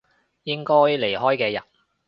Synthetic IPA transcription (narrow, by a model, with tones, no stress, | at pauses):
jɪ˥ŋkɔː˥jle˨˩jhɔː˥jkɛː˧jɐ˨t̚